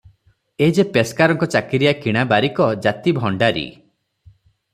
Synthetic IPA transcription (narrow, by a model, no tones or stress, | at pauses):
ed͡ʒepeskaɾɔŋkɔt͡ʃakiɾijakiɽ̃abaɾikɔd͡ʒat̪ibʱɔɳɖaɾḭ